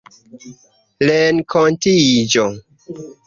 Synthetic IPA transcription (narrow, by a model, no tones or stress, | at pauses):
lenkʰontid͡ʒo